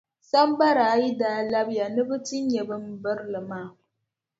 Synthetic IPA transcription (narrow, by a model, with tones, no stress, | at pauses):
sa˦mba˦ɾaː˨˦ji˦daː˨la˦bja˨nɨ˦bɨ˦tɪ˦ɲjɛ˨bɨ˦mbə˦ɾlɨ˨ma˦˨